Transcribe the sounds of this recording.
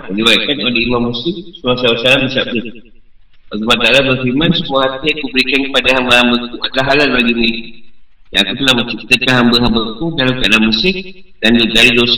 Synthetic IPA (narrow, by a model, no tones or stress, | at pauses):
akuliwaʔkanoleimamːusɪk̚sumasawasalabəsab̚di | wasufaat̪aalabərfimansumuaɦat̪iakubəɾikankəpadaɦambəambət̪uʔad̪aɦalanbaɡimi | danakut̪əlahmət͡ʃit̪əkanɦambəɦambəkudalamkaadamusɪk̚dandut̪aɾidos